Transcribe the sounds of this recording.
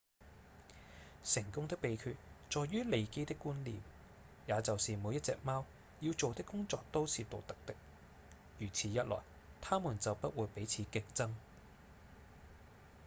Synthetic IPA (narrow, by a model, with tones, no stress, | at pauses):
sɪ˨˩ŋkʊ˥ŋt̪ɪ˥k̚pe˨˧jkʰyː˧t̚t͡sɔː˨jːyː˥le˨˧jke˥jt̪ɪ˥kːuː˥nlḭː˨m | jaː˨˧t͡sɐ˨wsiː˨muː˨˧jɐ˥t̚t͡sɛ̰ː˧k̚maː˥w | jiː˨˧wt͡so˨wt̪ɪ˥kːʊ˥ŋt͡sɔː˨˧k̚t̪o˥wsiː˨t̪o˨k̚t̪ɐ˥k̚t̪ɪ˥k̚ | jyː˨˩t͡sʰiː˨˧jɐ˥t̚lɔ̰ː˨˩j | t̪ʰaː˥muː˨˩nt͡sɐ˨wpɐ˥t̚wuː˨˧jpe˨˥jt͡sʰiː˨˧kɪ˧ŋ̚t͡sɐ˥ŋ